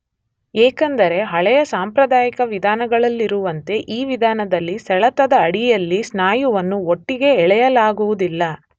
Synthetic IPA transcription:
eːkɐnd̪ɐɾe̞ɦɐɭɛjɐsaːmpɾɐd̪aːjikɐʋid̪ʱaːnɐɡɐɭɐlːiɾuʋɐnt̪e̞ʔiːʋid̪ʱaːnɐd̪ɐlːisɛɭɐt̪ɐd̪ɐːɽijɐlːisnaːjuʋɐnːuoʈːiɡe̞ːɭɛjɐlaːɡuʋud̪ilːɐ

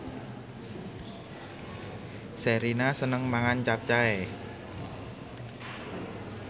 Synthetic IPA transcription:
seɾinasənəŋmaŋant͡ʃap̚t͡ʃae

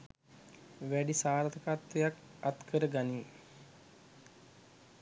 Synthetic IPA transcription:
ʋæɖisaːɾt̪ʰəkat̪ʋejak | at̪kəɾəɡaniː

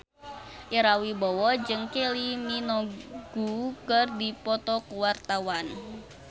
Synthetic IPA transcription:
ʔiɾawibɔwɔd͡ʒɨŋkeliminɔɡ̥ukərdipɔt̪ɔkuwart̪awan

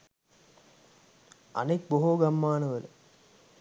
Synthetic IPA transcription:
ɐ̰nek̚boɦoːɡɐmːaːnɐʋɐl

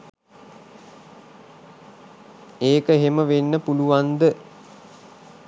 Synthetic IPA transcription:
eːkəeɦeməʋenːəpuluʋand̪ə

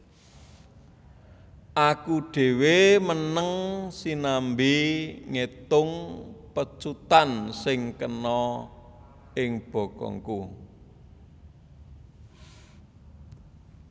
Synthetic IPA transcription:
ʔakuɖ̥e̤wemənəŋsinambiŋet̪ʊŋpət͡ʃut̪ansɪŋkənɔ | ɪŋb̥ɔ̤kɔ̰ŋku

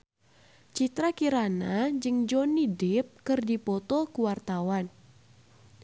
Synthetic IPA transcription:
t͡ʃit̪ɾakiɾanad͡ʒɨŋd͡ʒɔnidɪp̚kɨrdipɔt̪ɔkuwart̪awan

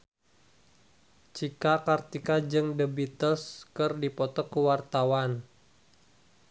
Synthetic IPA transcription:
t͡ʃikakart̪ikad͡ʒɨŋdəbit̪əskɨrdipɔt̪ɔkəwart̪awan

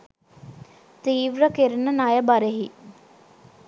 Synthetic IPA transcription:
t̪iːʋɾəkeɾnənajəbaɾeɦi

